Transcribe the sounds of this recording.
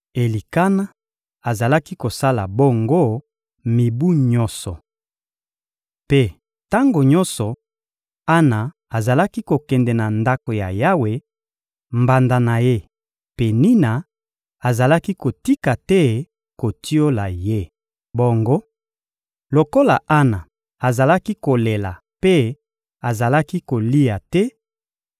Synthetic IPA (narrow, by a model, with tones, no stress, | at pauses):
e˨li˨ka˦na˦ | a˨za˨la˦ki˦ko˨sa˦la˨bo˦ŋɡo˦ | mi˨bu˦ɲɔ˦sɔ˨ | pe˦ | ta˦ŋɡo˨ɲɔ˦nsɔ˨ | a˦na˨ | a˨za˨la˦ki˦ko˨kɛ˨ndɛ˨na˨nda˦ko˨ja˨ja˦we˨ | mba˨nda˨na˨je˦ | pe˨ni˦na˨ | a˨za˨la˦ki˦ko˨ti˦ka˨tɛ˦ | ko˨tʰi˦o˦la˨je˦ | bo˨ŋɡo˦ | lo˨ko˦la˨ʔa˦na˨ | a˨za˨la˦ki˦ko˨le˨la̰˨ | pe˦ | a˨za˨la˦ki˦ko˨li˦ja˨tɛ˦